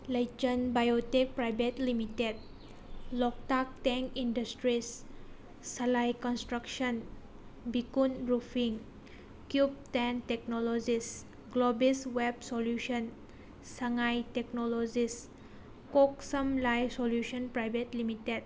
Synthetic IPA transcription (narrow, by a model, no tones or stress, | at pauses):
led͡ʒə̃nbajotik̚pɾajvətlimited̚ | lɔk̚tak̚tɛ̃ŋkĩndəstɹisː | alajkɔ̃nstɾakʃə̃n | bikũnɹufĩŋ | kjup̚tɛ̃ntɛk̚nɔlod͡ʒis | ɡ̥lobiswɛb̚soljuʃə̃n | saŋajtɛk̚nɔlod͡ʒis | kɔksə̃mlajsoljuʃə̃npɾajvətlimitet̚